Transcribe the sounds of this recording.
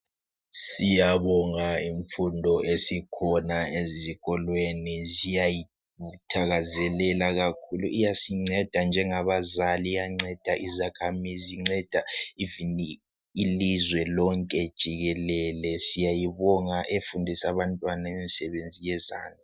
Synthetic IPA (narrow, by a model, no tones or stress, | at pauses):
sijaβɔŋaiɱfundʱɔʔesikʰɔnaeziɣɔlwenizijaji | utʰaɣazɛlɛlaɣakʰuluʔijasiŋ͡ǀɛd̥ʱand͡ʒʱɛŋaβazalijaŋ͡ǀɛd̥ʱaʔizakʰamiziŋ͡ǀɛd̥ʱaiviniː | lizwɛlɔŋkʼɛd̥ʒ̥ʱiɣɛlɛlɛsijajiβɔŋaʔefundʱisaβantʼwanaemisɛβend͡zʱijɛza̰ːna